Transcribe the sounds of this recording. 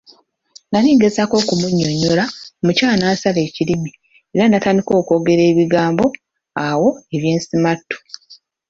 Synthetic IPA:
naniːɡe̞zako̞kumuɲːoɲːoɾamucaːnaːsale̞ːcilimi | e̞ɾanataːndiko̞ːko̞ːɡe̞ɾe̞ːβiɡaːmbo̞ | awo̞eβje̞ːnsimatːu̥

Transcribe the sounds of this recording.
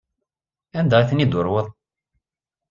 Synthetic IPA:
ænd̪ææθənid̪ʊɾˤwəðˤ

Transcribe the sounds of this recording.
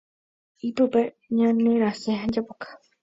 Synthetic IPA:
ipɨpe | ɲãneɾaseɦãd͡ʒapokḁ

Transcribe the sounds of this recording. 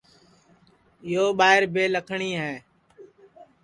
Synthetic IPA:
ɪjoːɓaːɦɪɾbʱeːləkʰɳiːɦɛː

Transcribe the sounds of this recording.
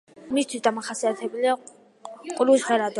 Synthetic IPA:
mist̪ʰwisd̪amaχasiat̪ʰɛbulia | qʼuɾwisʁɛɾad̪

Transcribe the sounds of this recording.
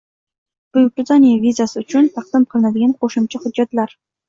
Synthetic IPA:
b̥ʊjʊkɪzɑnijavʲizasɪʊt͡ʃʰʊnt̪ʰɑq̚d̪ɪmqʰɨlˠɨnad̪ɪɡʲanqʰoʃʊmt͡ʃʰahʊd͡ʒːat̪laɾ

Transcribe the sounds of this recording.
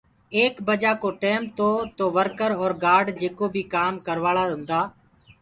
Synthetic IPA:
eːkbəd͡ʒaːkoːʈeːmt̪oːt̪oːʋəɾkəɾɔːɾɡaːɾɖd͡ʒeːkoːbʱiːkaːmkəɾʋaːɭaːʊ̃nd̪aː

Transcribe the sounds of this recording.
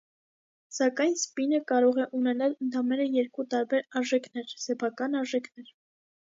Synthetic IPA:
sɑkɑjnspinəkɑɾɔʁɛʔunɛnɑlənt̪ʰɑmɛɾəjɛɾkut̪ɑɾbɛɾɑɾʒɛkʰnɛɾsɛpʰɑkɑnɑɾʒɛkʰnɛɾ

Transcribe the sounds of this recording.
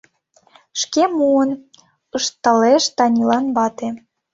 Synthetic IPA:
ʃkemuən | əʃt̪ɑleʃt̪ɑnʲilɑnbɑt̪e

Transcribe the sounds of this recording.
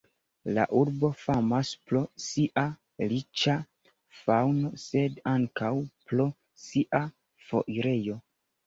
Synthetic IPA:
la̰ʔuɾbo̞famasplo̞siʔa | lit͡ʃa | fawno̞se̞daŋkawpɾo̞ | siʔa | fo̞̰ʔiɾe̞jo̞

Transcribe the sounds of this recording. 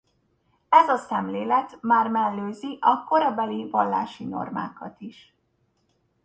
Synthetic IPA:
ɛzɒsɛmleːlɛt̪maːrmɛlːøːziʔɒko̞ɾɒbɛlivɒlːa̰ːʃino̞̰rma̰ːkɒt̪iʃ

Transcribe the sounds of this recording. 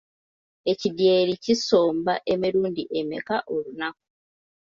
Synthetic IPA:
e̞cidjeːɾiciso̞ːmbaʔe̞miɾuːndiʔemḛkaʔo̞lunak̚u̥

